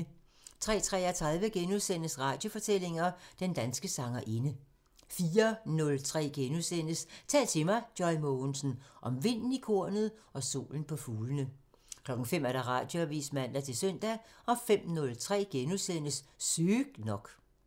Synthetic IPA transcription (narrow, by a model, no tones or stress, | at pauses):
t͡sʰʁɛ̰ːt͡sʰʁɛ̰ːæt͡sʰʁaðˠʋəɡ̥enuðˠsen̰əsʁɑ̈ːd̥jo̝fɒ̽t͡sʰel̰e̝ŋɐd̥end̥ænsɡ̥əsɑ̈ŋɐʔe̝nə | fiːɐnɔ̽lt͡sʰʁɛ̰ːɡ̥enusen̰əst͡sʰɛ̰ːlt͡sʰe̝mɑ̈ɪd̥jɒɪmonsn̩ʔɒ̽mʋe̝n̰n̩ikʰo̝ɐ̰nð̞̩ˠɒ̽so̝̰ːln̩pʰɒ̽fuːlənə | kʰlɒ̽ɡ̥n̩fem̰æɐd̥ɑ̈ʁɑ̈ːd̥jo̝æʋḭːsmæn̰d̥æt͡sʰe̝lsœn̰d̥æɒ̽fem̰nɔ̽lt͡sʰʁɛ̰ːɡ̥enuðˠsen̰əssyɡ̥nɒ̽ɡ̥